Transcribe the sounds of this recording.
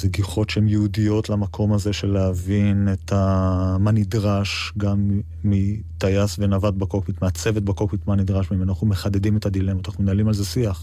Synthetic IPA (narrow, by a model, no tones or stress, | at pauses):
zeɡiχo̞tʃeemjɛudijo̞t̪lamakʰo̞maze̞ʃe̞leavinet̪ʰamanidʁaʃɡamː | it̪ajasvenavat̪̚bakokmit̪meat͡se̞vet̚bakokmit̪manidʁaʃmimeanaχnumeχade̞dime̞tadilemataaχnumenalimalzesiaχ